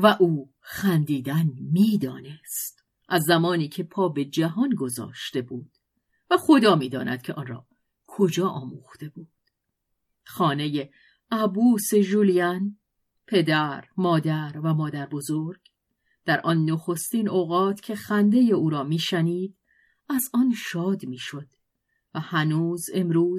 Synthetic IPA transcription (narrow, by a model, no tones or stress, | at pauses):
væʔuː | xænd̪iːd̪ænmiːd̪ɒ̰ːne̞st̪ | ʔæzːæmɒːniːcʰe̞pʰɒːbe̞d͡ʒæɦɒːnɡo̞zɒ̰ːʃt̪e̞buːd̪̥ | væxod̪ɒːmiːd̪ɒ̰ːnʔæ̰d̪̥̚cʲʰe̞ʔɒnrɒ̰ː | kʰod͡ʒɒːʔɒ̰ːmuːxt̪e̞buːd̪̥ | xɒːne̞je̞ | æbuːse̞ʒulijæn | pʰe̞d̪æɾmɒːd̪æɾvæmɒːd̪æɾbo̞zoɾɡ̥ | d̪̥æɾʔɒnːoxo̞st̪iːnoːɣɒːt̪ʰcʰe̞xænd̪e̞je̞uːɾɒːmiːʃæniːd̪̥ | æzɒnʃɒːd̪miːʃo̞d̪̥ | væhænuːze̞mɾuːz